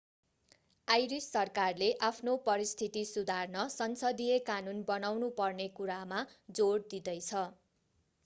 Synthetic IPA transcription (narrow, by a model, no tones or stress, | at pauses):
ajɾisːʌrkarleʔapʰnopʌɾist̪ʰit̪isud̪ʱarnʌsʌnsʌd̪ijekanunbʌnawnupʌrnekuɾamad͡zoɽd̪id̪ʌjt͡sʰʌ